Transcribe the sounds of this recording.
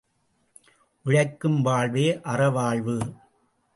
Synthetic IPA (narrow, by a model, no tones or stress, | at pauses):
ʔɪɻɐɪkːɯmʋaːɭʋeːʔɐrɐʋaːɭʋɯ